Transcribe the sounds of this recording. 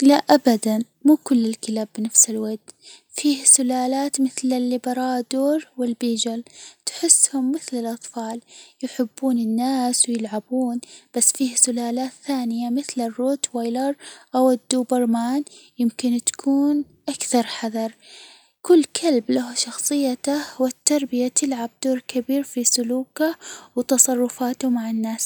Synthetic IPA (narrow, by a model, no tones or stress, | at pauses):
laʔabad̪an | muːkʊlːɪlkɪlaːbːɪnafsɪlwad̪ | fiːhsʊlaːlaːt̪mɪθlɪlːibɑɾˤɑːd̪oːɾˤwɪlbiːd͡ʒɪlt̪ħɪsːhʊmːɪθlɪlʔɑt̪ˤfɑːljɪħɪbːuːnɪnːaːswɪjɪlʕabuːnb̥asːfiːhsʊlaːlaːt̪θaːnɪjamɪθlɪrːoːt̪wajlɑɾˤʔawɪd̪ːuːbɑɾˤmaːnjɪmkɪnt̪ḁkʰuːn | ʔakθɑɾˤħaðɑɾˤ | kʊlːkʰalblaɦaʃɑxsˤɨjːat̪ahwɪt̪ːɑɾˤbɪjat̪ɪlʕab̚d̪oːɾˤkabiːɾfisʊluːkawt̪ɑsˤɑrˤːʊfaːt̪ʊmaʕɪnːaːs